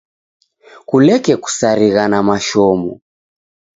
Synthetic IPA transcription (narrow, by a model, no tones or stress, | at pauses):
kulɛkɛku̥saɾiɣanamaʃɔmɔ